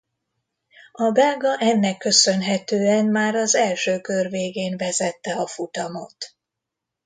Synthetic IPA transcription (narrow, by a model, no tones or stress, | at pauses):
ɒbɛːlɡɒʔɛnːɛkːø̞sø̞nɦɛt̪øːɛnmaːɾɒzɛlʃøːkørveːɡeːnvɛzɛt̪ːɛɒfut̪ɒmo̞̰t̪